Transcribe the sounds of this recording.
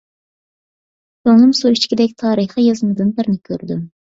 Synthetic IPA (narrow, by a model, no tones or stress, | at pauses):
t͡ʃʰoŋlˠɨmsuit͡ʃkʲid̪ɛk̚ʲt̪ʰɑːɾɨχijɑzɨmɨd̪ɨnbɪɾnɪkʲʰøɾd̪ym